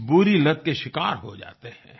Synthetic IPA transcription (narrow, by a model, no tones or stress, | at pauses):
buɾilɐt̪̚keʃɪkaːɾɦo̰d͡ʒa̰ːt̪ehɛ̰̃ː